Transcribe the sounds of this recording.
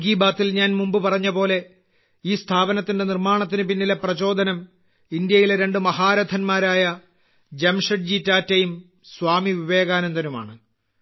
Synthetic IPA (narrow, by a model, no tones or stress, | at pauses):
ɡiːbaːt̪ːilɲaːnmumbɨpɐrɐɲːɐpo̞ːle̞ | iːst̪ʰaːbɐnɐt̪ːinde̞nirmaːɳɐt̪̬ːinɨpinːilɐprɐt͡ɕo̞ːd̪ʱɐnɐm | ind̪jɐjileɾe̞ɳɖɨmɐhaːɾɐd̪ʰʱɐnmaːɾaːjɐ | d͡ʑemʂɐɖ̚d͡ʑitaːtːɐjum | swaːmiʋiʋe̞ːɣaːnɐnd̪ɐnuma̰ːɳɨ